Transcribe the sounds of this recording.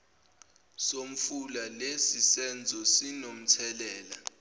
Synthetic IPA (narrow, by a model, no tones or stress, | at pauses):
som̩fulalesisɛnd͡zʱɔsinom̩t͡sʰɛlɛːla